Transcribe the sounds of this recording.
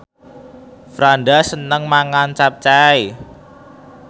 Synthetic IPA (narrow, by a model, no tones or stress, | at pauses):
fɾanɖasənəŋmaŋant͡ʃap̚t͡ʃaj